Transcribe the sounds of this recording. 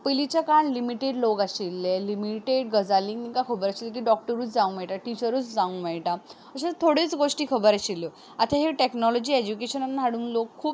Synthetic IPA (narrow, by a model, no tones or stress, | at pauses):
pilit͡ɕakaɳlimiʈeɖlokaɕilːelimiʈeɖɡəd͡zalĩŋniŋkakʰəbəɾaɕilːek̬iːɖɔk̚ʈəɾuːt͡sd͡zãũŋmɛjʈaʈit͡ɕəɾuːt͡sd͡zãũŋmajʈa | əɕet̪ʰoɽet͡sɡoʂʈiːkʰəbəɾaɕilːɔ | at̪ʰaɦeʈeknɔlɔd͡ʑiːed͡ʑukeɕənanːaɦaɽuːnlokʰːuːp